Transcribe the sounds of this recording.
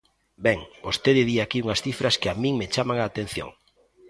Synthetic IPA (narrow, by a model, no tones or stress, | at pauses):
bɛŋbost̪eðɪðiakiuŋɐsθifɾɐskɪamĩŋmet͡ʃamaŋaːt̪ẽn̟θjo̰ŋ